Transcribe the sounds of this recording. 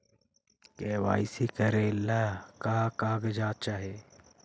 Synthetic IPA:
keːwa̰ːisikɐɾelːakaːkaːɡɐd͡ʒaːt̚t͡ʃaɦeː

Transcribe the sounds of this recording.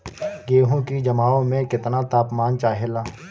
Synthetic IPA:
ɡeːɦõkid͡ʒɐmaːõmẽkɪt̪nat̪aːpmaːnt͡ʃaːɦelaː

